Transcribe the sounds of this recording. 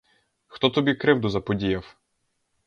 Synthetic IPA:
xt̪ɔt̪ɔbʲikɾɪwd̪ʊzɐpɔdʲijɐw

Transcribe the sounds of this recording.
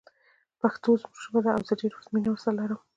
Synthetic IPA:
paxt̪ozmuʒʒbad̪aawzəɖeɾuzminawəɾsalaɾəm

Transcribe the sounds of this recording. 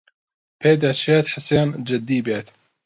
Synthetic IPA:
pʰeːd̪at͡ʃʰeːt̪ħaseːnd͡ʒɪd̪ːiːbeːt̪

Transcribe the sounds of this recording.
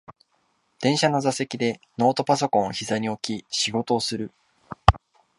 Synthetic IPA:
d̪̥ẽ̞ɰ̃ɕano̞zase̞kʲid̪e̞no̞ːt̪o̞paso̞kõɰ̃oçizaɲ̟io̞kʲiɕiɡo̞t̪o̞ːsɨɾɯ̟

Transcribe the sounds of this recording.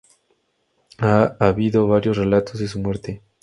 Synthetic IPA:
aaβiðo̞βaɾjo̞sre̞lat̪ʰo̞zðes̬umwe̞ɾt̪e̞

